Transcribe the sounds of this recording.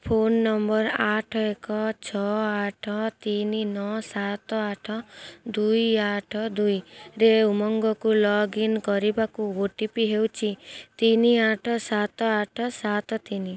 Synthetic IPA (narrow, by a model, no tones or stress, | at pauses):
pʰonːɔmbɔɾaʈʰɔekɔt͡ʃʰɔaʈʰɔt̪ininɔsat̪ɔaʈʰɔd̪ujaʈʰɔd̪ujɾeumɔŋɡɔkulɔɡinkɔɾibakuoʈipiɦewt͡ʃʰit̪iniaʈʰɔsat̪ɔaʈʰɔsat̪ɔt̪ini